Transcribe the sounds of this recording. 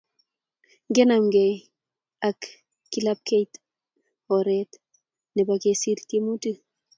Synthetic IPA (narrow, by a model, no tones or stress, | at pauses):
ŋɡenamɡe | akː | ilap̚kejt̪ | hoɾɛt̪ | nɛbakesiɾtemutɨ